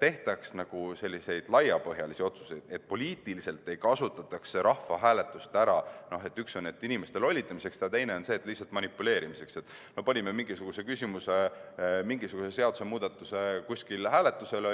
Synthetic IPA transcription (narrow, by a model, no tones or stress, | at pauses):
t̪e̞ht̪ɑksnɑɡ̥use̞lʲːise̞jd̪̥lɑjɑpɤɦjɑlisio̞t̪su̥se̞jd̪̥e̞t̪̚ːpo̞lʲiːt̪ːˑilise̞lt̪ːˑe̞jkɑsut̪ːˑɑt̪ːˑɑksːe̞ɾʔɑhfɑɦæːle̞t̪ːˑust̪æɾɑno̞ɦe̞t̪ːˑyksonet̪ːinʲime̞st̪elo̞lʲːit̪ːˑɑmise̞ksd̪ɑt̪ejne̞o̞nse̞ːt̪ːˑlihsːɑlt̪mɑnʲipːule̞ːɾimise̞kse̞t̪ːˑ | no̞pɑnʲimemiŋɡisuɡ̥use̞kysʲimuse̞miŋɡisuɡ̥use̞se̞ɑd̪u̥se̞muːd̪̥ɑt̪ːˑuse̞kusʲkilhæːle̞t̪ːˑuse̞lo